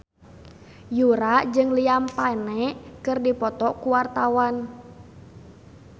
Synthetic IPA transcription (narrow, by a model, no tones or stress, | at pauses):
juɾaʔd͡ʒɨŋliampanɛkɨrdipɔt̪ɔkuwart̪awan